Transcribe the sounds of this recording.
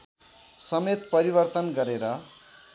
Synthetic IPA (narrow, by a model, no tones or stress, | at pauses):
sʌmet̪pʌɾibʌrt̪ʌnɡʌɾeɾʌ